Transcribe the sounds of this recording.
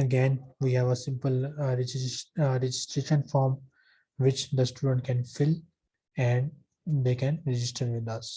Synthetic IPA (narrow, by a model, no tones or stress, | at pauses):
əɡẽːnʋiːhɛːʋəsɪ̃mpəlɾɪd͡ʒɾɛd͡ʒɪsʈɾeːʃə̃nfɔːɾm | ʋɪt͡ʃd̪əsʈuːɖə̃ɳʈ̚kɛ̃nfɪl | ɛ̃ɳɖ | d̪eːkɛ̃nɾɛd͡ʒɪsʈəɾʋɪd̪ʌs